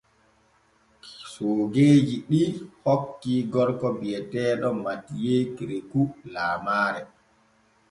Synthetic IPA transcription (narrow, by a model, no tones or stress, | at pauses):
soːɡeːd͡ʒiɗihokːiɡɔɾkɔbijɛtɛːɗɔmatijekiɾekulaːmaːɾɛ